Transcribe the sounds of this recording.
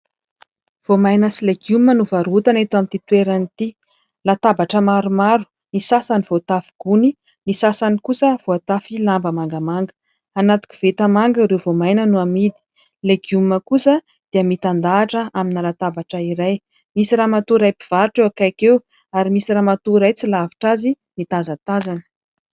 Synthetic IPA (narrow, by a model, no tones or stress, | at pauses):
v̥omajnəsileɡumənuvaɾut̪anet̪uamit̪it̪weɾanit̪i | lat̪abaʈ͡ʂəmaɾumaɾu̥ | misasaniv̥ot̪afi̥ɡ̥uni | misasanikusəv̥oat̪afilambəmaŋɡəmaŋɡə̥ | anat̪u̥kʲi̥v̥et̪əmaŋɡəiɾevomajnənuamid̪i̥ | leɡuməkusə | d̪̥eəmit̪and̪aːʈ͡ʂəaminalat̪abaʈ͡ʂəiɾaj | misiɾamat̪uɾajpiv̥aɾiʈ͡ʂewakajkew | aɾimisiɾamat̪uɾajt͡silavi̥ʈ͡ʂazi | mit̪azat̪azanə̥